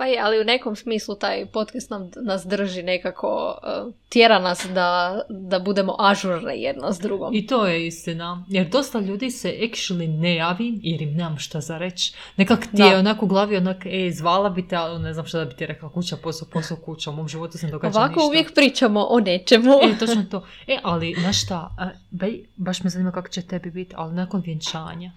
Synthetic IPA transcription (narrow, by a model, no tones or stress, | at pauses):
pajealiune̞ko̞msmiːslˠut̪aːjpo̞t̪kast̪namnasd̪r̩ʒine̞kakʰo̞̰ət̪jeɾanasd̪ad̪abud̪e̞mo̞̰ʔaʒuɾnḭjḛd̪nazd̪ɾuɡo̰mit̪oːjeist̪inajeɾd̪o̞st̪aʎuːd̪iseʔekʃilinejaːʋimjeɾimnemamʃt̪azaɾe̞t͡ʃne̞kaktd̪ieonakuɡlˠaːʋionakezʋaːlˠabit̪ealne̞znaːmʃt̪ad̪abit̪iɾeklˠakut͡ɕaposoposokut͡ɕaumoːmʒiʋo̞t̪usened̪o̞ɡaaʋakouʋjekpɾiːt͡ʃamoʔonet͡ʃemuet̪ot͡ʃnot̪o̞eʔalinaʃt̪a | bejbaʃmezaniːmakako̥t͡ɕet̪e̞bibit̪a̰linaːkonʋjent͡ʃa̰ːɲa